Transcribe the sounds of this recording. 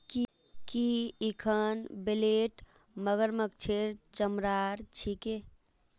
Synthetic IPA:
k | kiikʰənbeleʈ | məɡəɾmək̚t͡ʃʰeɾt͡ʃəmɾaɾt͡ʃʰike

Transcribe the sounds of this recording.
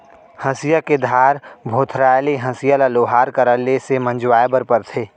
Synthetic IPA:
hɐ̃sijaked̪ʱaːɾbʱoːt̪ʰɾaːjleɦɐ̃sijalaloːɦaːɾkəɾəlːesemə̃nd͡ʒwaːebəɾpəɾt̪ʰeː

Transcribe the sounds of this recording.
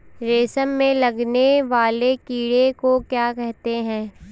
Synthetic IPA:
ɾeːsəmːẽlɐɡneʋaːlekiːɽekokjaːkɛɦt̪eɦɛ̃ː

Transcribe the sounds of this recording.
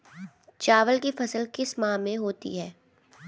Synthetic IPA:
t͡ʃaːʋəlkifɐsəlkɪsmãːmẽɦoːt̪ḭɦɛː

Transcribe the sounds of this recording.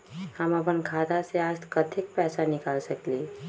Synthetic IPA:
həməpənkʰad̪aseast̪kət̪ʰik̚pɛːsanɪkaːlsəkli

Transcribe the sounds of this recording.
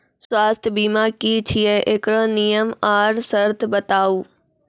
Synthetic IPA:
swaːst̪ʰjəbiːmaːkit͡ʃʰijeʔekɾənijəmaːɾsəɾt̪ʰbɐt̪aːuː

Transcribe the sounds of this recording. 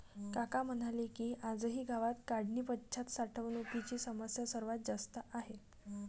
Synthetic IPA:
kakam̤ənalikiːʔad͡zəɦiːɡaʋat̪kaɽniːpət͡ɕʰat̪saʈʰəʋnupit͡ɕiːsəməsjəsəɾʋat̪̚d͡zast̪əʔaɦe

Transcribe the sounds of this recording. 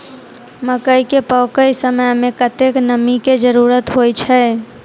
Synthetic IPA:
məkəikepəːkəisəməjmẽkət̪eknəmiked͡ʒəɾuːɾət̪ɦojt͡ʃʰɛ

